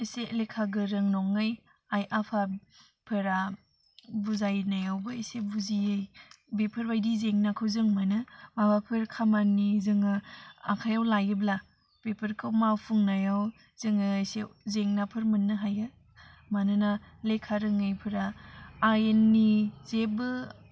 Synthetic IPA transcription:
iselekʰaɡɯɾɯŋnɔŋɯj | ajʔapʰa | pʰɯɾa | buzajnajawbɯisebuziɯjbepʰɯɾbajdizeŋnakʰɯwzɯŋmanɯmabakʰɯɾkʰamanːizɯŋɯa̰kʰajawlajɯbla | pepʰɯɾkʰɯwmawpʰuŋnajaw | zɯŋɯjsḛzeŋnapʰɯɾmɯnːɯɦajɯ | manɯnalekʰːaɾɯŋɯjpʰɯɾaː | jenːizebɯ

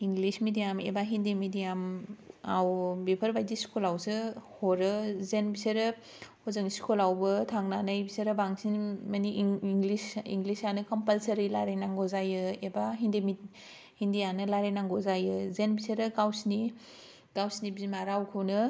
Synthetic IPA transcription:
iŋɡlismidijamḛbaɦindemidijamawbepʰɐɾbajdiskulawsɯhoɾɯzenbiseɾɯ | hozɯŋskʰulawbɯtʰaŋnanɯjbisɐɾɯbaŋsinmɐniʔːŋlisḭŋɡlisanɯkɐmpəlsɐɾilaɾenaŋɡɔzajɯebaɦindemi | hindijanɯlaɾenaŋɡozajɯzenbiseɾɯɡawsni | ɡ̥awsnibimaɾawkʰɯwnɯ

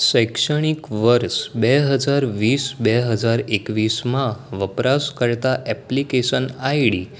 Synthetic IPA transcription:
səjkʂəɽ̃ikʋəɾsbɛɦəd͡zaɾʋiːsbɛɦəd͡zaɾekʋismãʋəpɾaskəɾt̪aʔɛplikeɕənajɽi

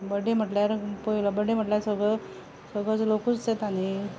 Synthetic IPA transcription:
bəɽem̤əʈljaɾpəilabəɽem̤əʈljaɾsəɡɭə | səɡɭət͡slokust͡set̪ani

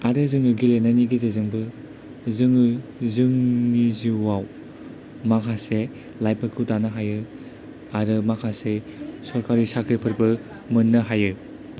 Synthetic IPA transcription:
aɾɯzɯŋɯɡilenaniɡizizɯŋbɯ | zɯŋɯzɯŋniziwaw | makʰase | lajpʰɯkʰɯtanɯɦajɯ | aɾɯmakʰasesɔɾkaɾisakʰɾipʰɯɾbɯ | mɯnːɐɦajɯ

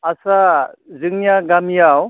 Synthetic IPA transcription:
asazɯŋjaɡamijaw

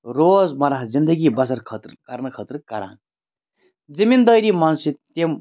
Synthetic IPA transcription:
ɾoːd͡zmɐɾaɦd͡zind̪əɡibʌsɐɾkʰʌt̪rkaɾnʌkʰʌt̪rkaɾa̰ːn | d͡zimind̪ʌjɾimansit̪em

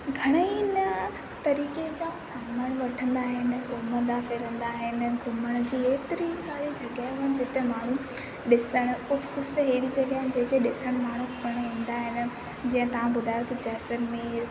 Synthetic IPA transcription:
ɡʱɐɽ̃əinə | t̪ɐɾiːked͡ʑaːsaːmaːɽ̃ʋɐʈʰə̃nd̪aːɦɪnɪ̆ɡʱʊməd̪aːfɪɾə̃nd̪aːɦɪnɪ̆ɡʱʊməɽ̃̆d͡ʑiːeːt̪ɪɾisaːɾid͡ʑɐɡaɦɦʊənɪ̆d͡ʑɪt̪emaːɳ̤ũ | ɗɪsəɽ̃ʊ̆kʊd͡ʑʱʊ̥kʊd͡ʑʰt̪eɦeːɽid͡ʑɐɡaːɦɪnɪd͡ʑeːkeɗɪsəɽ̃maːɳ̤ũpɐɽ̃ɦĩːn̆d̪aːɦɪnɪ̆ | d͡ʑĩːə̃t̪ɐʋãɓʊd̪ʱaːjot̪ʰɐd͡ʑɛːsənmeːɾ

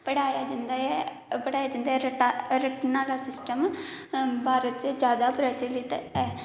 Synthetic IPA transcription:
pəɽaːjaːd͡ʒənd̪aɛ | pəɽaːjaːd͡ʒənd̪aːɛɾəʈaɾəʈnaːlaːsɪsʈəm | bʱaːɾət̪t͡ʃd͡ʒjaːd̪aːpɾət͡ʃəlɪt̪ɛː

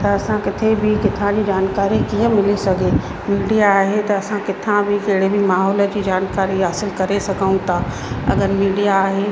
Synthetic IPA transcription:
t̪ɐɐsãkɪt̪ʰebʱɪkɪt̪ʰãd͡ʑiːd͡ʑaːnkaːɾikiə̃mɪlisɐɡʱe | miːɖijaːɦet̪ɐɐsãkɪt̪ʰãbʱɪkeɦɪɽ̤ebʱɪmaːɦɔːlə̆d͡ʑiːd͡ʑaːnkaːɾiɦaːsɪlkɐɾesɐɡʱəũt̪ʰa | ɐ̰ɡəɾmiːɖijaːɦe

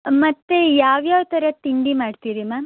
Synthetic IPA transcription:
mɐt̪ːejaːʋjaːʋt̪ɐɾɐt̪iɳɖimaːɖt̪iːɾimaːm

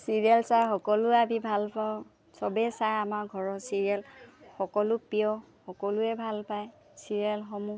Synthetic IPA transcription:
siɹiɛlsajxɔkɔlʊabibʱalpaʊ̃ | sɔbɛsajamaɹɡʱɔɹɔsiɹiɛlxɔkɔlʊpijɔ | xɔkɔlʊɛbʱalpaj | siɹiɛlxɔmu

